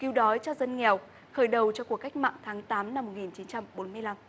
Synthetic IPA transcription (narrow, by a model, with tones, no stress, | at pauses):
ki˨˦wɗɔ˨˦jt͡ɕɔ˧zə˧nŋɛ˨˩w | xəː˧˩jɗə˨˩wt͡ɕɔ˧ku˨˩əkːa˦˥jk̚ma̰ː˧˨ŋt̪ʰaː˨˦ŋt̪aː˨˦mna˧mːo˨˩t̚ŋi˨˩nt͡ɕi˨˦nt͡ɕa˧mɓo˨˦nmɨ˧əjla˧m